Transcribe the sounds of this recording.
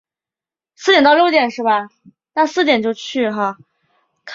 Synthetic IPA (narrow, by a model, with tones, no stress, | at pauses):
sɹ̩˥˩jɛ˨˩nt̪ɑ˥˧ʊjʊt̪jɛ˨˩nʂɻ̩˥˩bɐ˩ | na˥˧sɹ̩˥˩t̪jɛ˨˩nt͡ɕjo˥˧ʊt͡ɕʰy˥˩xa˥˧ | kʰ